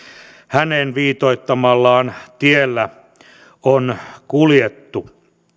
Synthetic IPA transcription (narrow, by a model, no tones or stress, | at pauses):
hænenʋiːt̪oit̪ːɑmɑlːɑːnt̪ielːæ | onkuljet̪ːu